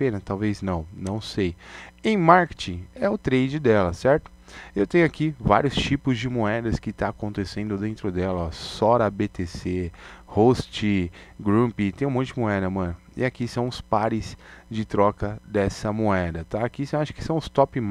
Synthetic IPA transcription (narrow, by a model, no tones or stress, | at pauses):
ẽnɐt̪awveznɐ̃w̃nɐ̃w̃sejẽj̃maɾke̥t͡ʃĩɛʊt̪ɾejd͡ʒɪd̪ɛlɐsɛɾt̪ʊ̥ | ewt̪ẽj̃ʊakiva̰ɾjʊst͡ʃipʊzd͡ʒɪmoɛd̪ɐskɪt̪aːkõnt̪esẽnd̪ʊd̪ẽnt̪ɾʊd̪ɛlɐsɔɾɐbet̪esehost͡ʃɪɡɾũpit̪ẽj̃ũmõt̪ɪd͡ʒɪmoɛd̪ɐmɐ̃nʊɪ̰akisɐ̃w̃ʊspaɾɪsd͡ʒɪt̪ɾɔkɐd̪ɛsɐmoɛd̪ɐt̪aːkisẽw̃aʃʊ̥kɪ̥sɐ̃w̃ʊst̪ɔpɪm